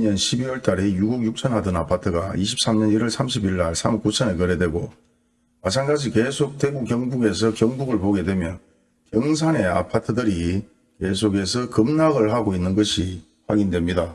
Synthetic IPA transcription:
ɲʌnɕʰibiwʌɭt͈aɾejuɡoɡjuk̚t͡ɕʰʌnɦadɯnapʰatʰɯɡaiɕ̬ʰi̥p̚s͈amɲʌniɾʌɭsʰamɕ̬ʰibiɭːaɭsʰamk͈ut͡ɕʰʌnekʌɾedwe̞ɡo | mat͡ɕʰaŋɡad͡ʑike̞sʰok̚t͈we̞bukjʌŋbuɡe̞s̬ʰʌkjʌŋbuɡɯɭpoɡe̞dwe̞mjʌn | kjʌŋs̬ʰane̞a̰pʰatʰɯdɯɾi | ke̞sʰoɡe̞sʰʌkɯmnaɡɯɭɦaɡoinːɯnɡʌɕʰi | hwaɡindwe̞mɲida

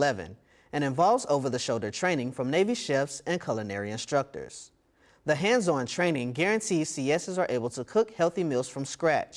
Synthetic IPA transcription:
ɛvɨ̰̃n | ɨ̃ɾ̃ɨ̃ɱvɑlˠvzoʊvə˞ðɨʃoʊlˠdə˞tʰɹ̥ẽɪ̃nɪ̃ŋfɹʌ̃mneɪviʃɛfsɨ̃nkʰʌlˠənɛɹiɨ̃nstɹ̥ʌk̚tə̰˞z̥ | ðɨɦæ̃ndzɔ̃ntʰɹ̥ẽɪ̃nɪ̃ŋɡɛɹɨ̃ntʰiz̥siɛsɨzə˞ʔeɪbl̩ˠtʰəkʰʊkhɛlˠθimɪlˠz̥fɹʌ̃mskɹæ̰t͡ʃ

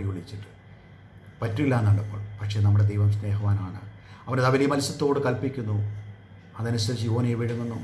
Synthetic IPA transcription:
juɭːit͡ɕːiʈːɨ̥ | pɐtːuilaːnːɐɭːɐpːo̰ːɭpɐkʂe̞ːnɐmːuɽe̞d̪ejʋɐmsne̞ːɦɐʋaːnaːɳɨ̰ | ɐʋɐnɐðɐʋɐlijɐmɐlsɐt̪ːo̞ːɽɨkɐlpikʲːunːu | ɐðɐnusɐɾit͡ɕːio̞ːnejʋiɻunːenːu

